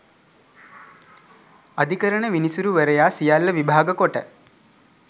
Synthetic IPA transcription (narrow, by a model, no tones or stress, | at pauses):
ɐd̪ʱikəɾəɳəʋinisuɾuʋəɾəjaːsijalːəʋibʱaːɡəkoʈə̰